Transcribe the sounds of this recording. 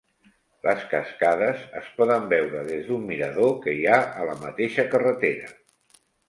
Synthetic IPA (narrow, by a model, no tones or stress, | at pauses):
lʔəskəskaðəzəspɔðəmbɛwɾəðezðumːiɾəðokəiaələmət̪eʃəkərət̪eɾə